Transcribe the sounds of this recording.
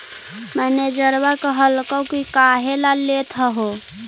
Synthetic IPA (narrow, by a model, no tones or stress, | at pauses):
məned͡ʒəɾbakəɦəlkəkikaːɦelalet̪ʰəɦo